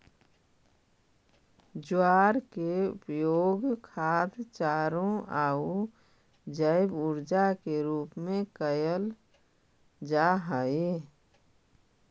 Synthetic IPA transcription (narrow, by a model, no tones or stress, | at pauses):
d͡ʒʊaːɾkeʊ̰pjoːɡkʰaːt̪t͡ʃaːɾõaːu | d͡ʒəɪbʊɾd͡ʒakeɾuːpmẽkəjəl | d͡ʒaɦəe